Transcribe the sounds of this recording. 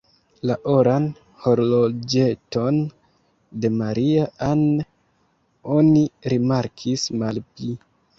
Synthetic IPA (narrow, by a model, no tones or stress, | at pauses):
laʔoɾan | ho̞ɾlod͡ʒe̞to̞n | de̞maɾiaan | o̞niɾimaɾkʰismalpli